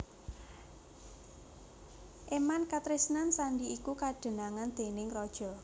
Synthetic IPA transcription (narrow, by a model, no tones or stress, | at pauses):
ʔemankat̪ɾisnansanɖiikukaɖ̥ə̤naŋand̪̥e̤nɪŋrɔd̥ʒ̥ɔ̤